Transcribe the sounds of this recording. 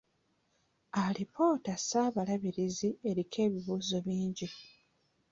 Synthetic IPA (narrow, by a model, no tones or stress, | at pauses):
alipʰo̞ːtasaːβalaβiɾizie̞ɾikʰe̞ːβiβuːzo̞βiːɲɟi